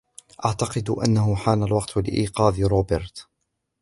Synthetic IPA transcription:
ʔaʕt̪ɑqɨd̪ʔanːaɦʊħaːnalwɑqt̪lɪ̰ʔiːqɑːðɪɾoːbɪɾt̪

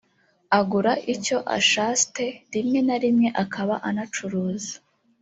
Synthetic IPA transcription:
aɡuɾaʔico̞ʔa̰ʃaste̞ɾimɲe̞naɾimɲe̞ʔakʰaβaʔanat͡ʃuɾuːzḁ

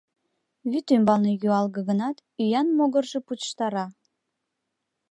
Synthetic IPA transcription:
βyt̪ymbɑlnejyɑlɣɤ̆ɣənɑt̪yjɑnmoɣərʒeput̪ʃt̪ɑɾɑ

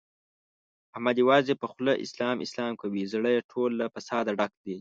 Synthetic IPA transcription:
amad̪jawɑːzepəxləʔɪ̰slɑːmɪ̰slɑːmkawizɽəjeʈʰolːafasɑːd̪aɖak̚d̪i

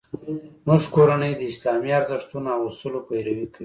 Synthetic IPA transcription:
muʐkoɾanəjd̪əɪslɑmiaɾzɪʂt̪unoawust̪əlopajɾawikəwi

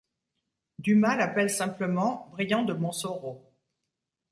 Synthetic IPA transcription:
d̪ymalapɛlsɛ̃pləmɑ̃bʁijɑ̃d̪əmɔ̃soʁo

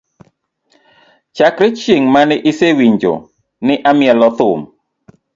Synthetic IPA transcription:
t͡ʃakɾɪt͡ʃjeŋmanɪʔɪsewiɲd͡ʒo̰ | nɪʔamɪɛlɔt̪ʊm

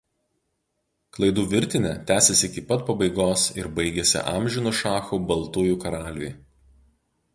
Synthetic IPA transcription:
klˠɐɪd̪uːʋʲɪɾʲt̪ʲɪnʲɛt̪ʲæːsʲɛsʲɪɪkʲɪpɐt̪pɐbɐɪɡoːsɪɾbɐɪɡʲɛsʲɪ̰ʔɑːmʲʒʲɪnʊʃɑːxuːbɐlˠt̪uːjuːkɐɾɑːlʲʊ̰j

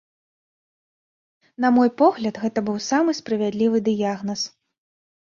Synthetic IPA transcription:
nɐmɔjpɔɣlʲɐt̪ɣɛt̪ɐbɨwsamɨspɾɐvʲad̪lʲivɨd̪ɨjaɣnɐs

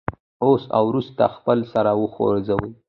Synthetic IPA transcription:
osa̰wɾust̪a̰xpəlsaɾawəxo̰ɾzawəj

